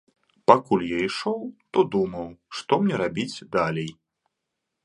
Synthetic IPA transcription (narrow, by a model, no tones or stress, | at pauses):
pakulʲjaiʂɔwt̪ɔd̪umɐwʂt̪ɔmnʲɛɾabʲit͡sʲd̪alʲej